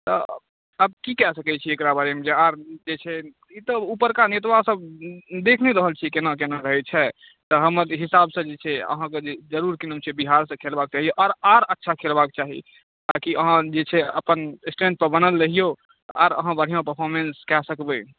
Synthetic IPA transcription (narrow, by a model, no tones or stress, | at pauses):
t̪ɔ̰ | əb̚kikɛsəkɛt͡ʃʰiekɾabaɾemed͡ʒeaɾd͡ʒet͡ʃʰɛ | it̪ɔupəɾkanet̪asəbd̪ekʰneɾəɦəlt͡ʃʰikenakenaɾəɦɛt͡ʃʰɛ | t̪ɔɦəməɾɦisabsə̃d͡ʒet͡ʃʰɛə̰ɦãked͡ʒed͡ʒəɾuɾkinəmt͡ʃʰɛbiɦaɾsə̃kʰelbak̚t͡ʃaɦioʔaɾaɾətːʃʰakʰelbak̚t͡ʃaɦḭ | t̪akiəɦãd͡ʒet͡ʃʰɛə̰pənsʈẽnd̪̚pəɾbənəlːəɦijo | a̰ɾə̰ɦãbəɽ̤ijãpəɾpʰɔɾmenskɛsəkbə